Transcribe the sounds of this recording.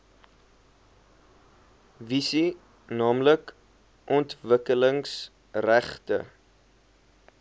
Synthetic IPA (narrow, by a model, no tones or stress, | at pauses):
visi | nɑːmlək | ʔɔntvəkələŋs | ræχtə̰